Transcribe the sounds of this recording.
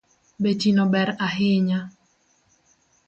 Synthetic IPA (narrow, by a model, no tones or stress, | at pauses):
betinobɛɾaɦɪɲa